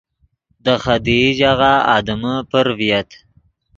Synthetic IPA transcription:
d̪əxad̪iʒaɣaɑ̰d̪əməpəɾvijat̪

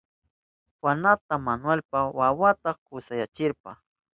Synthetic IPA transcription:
wanat̪amanwelpawawat̪ɑkʊsajat͡ʃɪɾpa̰

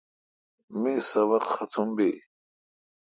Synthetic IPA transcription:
misɐβɐqxɐt̪ʰumbi

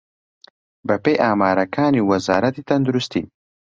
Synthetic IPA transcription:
bɐpejʔaːmaːɾɐkʰaːniːwɐza̰ːɾɐt̪it̪ʰɐnd̪uɾust̪ḭː

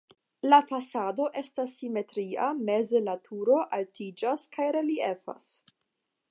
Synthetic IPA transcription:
lafasado̞ʔe̞stasːime̞tɾia̰me̞zelatʰuɾo̞ʔaltid͡ʒaskajɾe̞liefa̰s

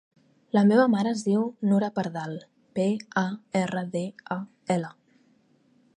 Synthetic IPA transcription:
ləmeβəmaɾəːzðiwnuɾəpəɾðalˠ | peaerəðea | ɛlə

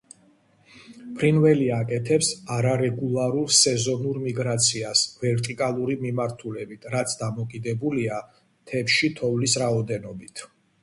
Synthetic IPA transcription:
pʰɾinvɛliakʼɛt̪ʰɛpsaɾaɾɛɡulˠaɾulsɛzɔnuɾmiɡɾat̪sʰiasvɛɾt̪ʼikʼalˠuɾimimaɾt̪ʰulɛbit̪ʰɾat̪sʰd̪amɔkʼid̪ɛbulia | t̪ʰɛpʃit̪ʰɔvlisɾaɔd̪ɛnɔbit̪ʰ

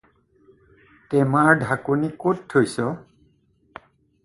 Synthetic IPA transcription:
tɛmaɹdʱakonikotʰːojsɔ

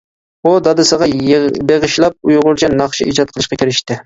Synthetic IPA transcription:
ud̪ɑd̪ɨsəʁɑbeʁɨʃlˠɑp̚ujʁʊɾt͡ʃʰɛnɑχʃiid͡ʒɑt̪̚qʰəlˠɨʃqɑkʲʰiɾɪʃt̪ɪ

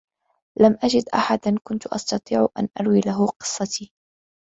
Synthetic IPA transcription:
lamʔad͡ʒɪd̪ʔaħad̪ankʊnt̪ʊʔɑ̰st̪ɑt̪ˤiːʕʔa̰nʔa̰ɾwiːlaɦʊqɨ̥sˤːɑt̪ʰiː

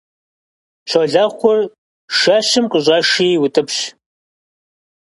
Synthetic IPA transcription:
ɕʷʰɐɮaːχʷɔr | ʃaːɕɨmqʼəʑʷʼaːʂiːwʊtʼɨpɕ

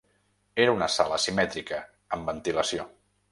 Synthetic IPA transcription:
eɾunəsa̰ləsimɛt̪ɾikəː | mbənt̪iləsio

